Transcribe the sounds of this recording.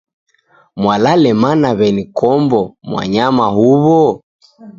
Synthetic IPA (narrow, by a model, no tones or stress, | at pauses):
mwalalɛmanaβɛnikʰɔmbɔmwa̰ɲamaɦuβɔ